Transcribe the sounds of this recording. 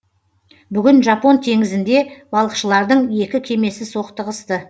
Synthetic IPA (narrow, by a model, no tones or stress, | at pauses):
bʏɡʲɪnʒɑpo̞nt̪ʰe̞ŋɪzɪnd̪e̞b̥ɑlˠəqʃəlˠɑɾd̪əɴje̞kʲɪkʲʰe̞me̞sɪso̞qt̪əʁəst̪ə